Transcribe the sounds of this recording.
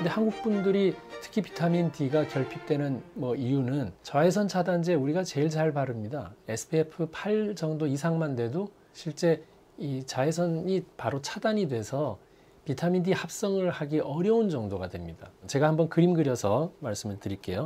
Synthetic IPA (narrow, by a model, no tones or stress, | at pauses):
nde̞hanɡuk̚p͈undɯɾitʰɯ̥kʰipi̥tʰamindiɡakjʌɭpʰik̚t͈we̞nɯnmʌijunɯnt͡ɕaesʰʌnt͡ɕʰadand͡ʑeuɾiɡat͡ɕe̞iɭt͡ɕaɭpaɾɯmɲida̰esʰɯ̥pʰepʰɯpʰaɭd͡ʑʌŋdoisʰaŋmandwe̞do | ɕʰiɭt͡ɕ͈e̞ | it͡ɕaesʰʌnipaɾot͡ɕʰadaɲidwe̞sʰʌ | pitʰamindihap̚s͈ʌŋɯɭhaɡiʔʌɾjʌund͡ʑʌŋdoɡadwe̞mɲidat͡ɕe̞ɡahambʌnkɯɾimɡɯɾjʌsʰʌmaɭs͈ɯmɯɭtɯɾik͈e̞̰jo